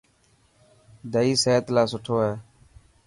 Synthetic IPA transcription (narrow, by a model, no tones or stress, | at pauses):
d̪əiːseːt̪laːsʊʈʰoːɦɛː